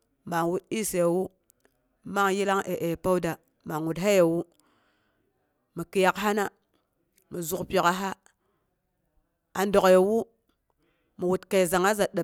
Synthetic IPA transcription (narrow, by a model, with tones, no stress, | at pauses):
ma˨ŋwu˦ti˦se˨jwu˦ | ma˦ŋji˦la˦ŋʔe˨ʔe˨pa˦wda˨ | ma˨ŋwu˨tɦa˦je˨wu˦ | mi˨ki˨ja˨kɦa˦na˦ | mi˨zu˨kpʲe˨ka˦ɦa˦ | a˨ndo˨kje˨wu˦ | mu˨wu˨tka˨za˨ŋa˦za˨ɗa˨